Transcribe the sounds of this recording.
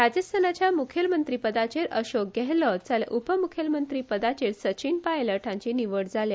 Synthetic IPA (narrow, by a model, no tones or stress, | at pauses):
ɾad͡ʑəst̪ʰənat͡ɕjamukʰjəlmənt̪ɾiːpəd̪at͡ɕeɾʔəɕok̚ɡɛɦlət͡salḛʔupəmukʰjəlmənt̪ɾiːpəd̪at͡ɕeɾsət͡ɕinpajləʈʰãɲt͡ɕiniʋəɽd͡zʱalja